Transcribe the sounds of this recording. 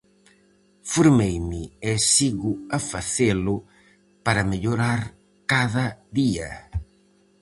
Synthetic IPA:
foɾmejmɪɛsiɣʊafaθelʊ | paɾɐmeʎoɾaɾ | kaðɐðiɐ̰

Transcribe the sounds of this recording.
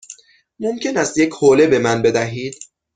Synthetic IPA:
momcʰe̞næst̪jecʰhoːle̞be̞mænbe̞d̪æɦiːd̪̥̚

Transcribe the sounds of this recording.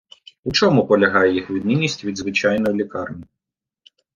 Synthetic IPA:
ut͡ʃɔmupɔlʲɐɦɑjɛjixʋʲid̪nʲinʲisʲtʲʋʲid̪zʋɪt͡ʃɑjnɔjlʲikɑrnʲi

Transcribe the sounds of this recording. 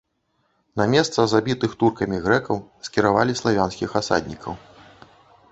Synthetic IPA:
nɐmʲɛst̪sɐzabʲit̪ɨxt̪urkɐmʲiɣɾɛkɐwskʲiɾavalʲislˠavʲansʲkʲixasa̰d̪ʲnʲikʰɐw

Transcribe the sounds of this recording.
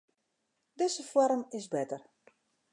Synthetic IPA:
dɪzəfɔɾəmɪsbɛtər

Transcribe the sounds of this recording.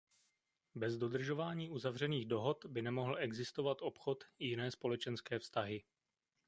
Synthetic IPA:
bɛzdo̞d̪r̩ʒo̞vaːɲiːʔuzavr̝ɛniːɣdo̞ɦo̞t̪bɪnɛmo̞ɦl̩ɛɡzɪst̪ovat̪ʔo̞pxo̞t̪jɪnɛːspo̞lɛt͡ʃɛnskɛːfst̪aɦɪ

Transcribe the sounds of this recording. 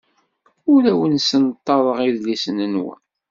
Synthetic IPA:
ʊɾæwənsənt̪ˤːɑðˤəʁiðlisənənwə̰n

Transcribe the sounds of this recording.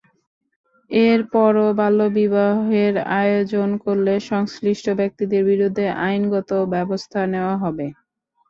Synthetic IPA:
eɾpɔɾobalːobibaɦeɾa̰jod͡ʑonkoɾleʃɔŋsɾiʃʈʰobɛk̚t̪id̪eɾbiɾud̪ʱːeʔajnɡɔt̪obɛbost̪ʰaneoaɦɔbe

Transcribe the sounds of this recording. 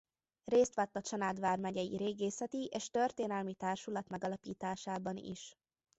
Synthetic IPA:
reːst̪ʋaːt̪ːɒt͡ʃɒnaːd̪ʋaːrmɛɟɛjḭɾeːɡeːsɛt̪iʔeːʃt̪ørt̪eːnɛlmit̪aːrʃulɒt̪mɛɡɒlɒpiːt̪aːʃaːbɒnḭʃ

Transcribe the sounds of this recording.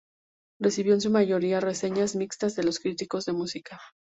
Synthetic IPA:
re̞siβjo̞ens̬umaʝo̞ɾiare̞se̞ɲazmikst̪azðe̞lo̞skɾit̪iko̞zðe̞musika

